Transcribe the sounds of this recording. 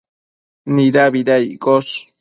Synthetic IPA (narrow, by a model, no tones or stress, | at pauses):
niɾabiɾajkoʃ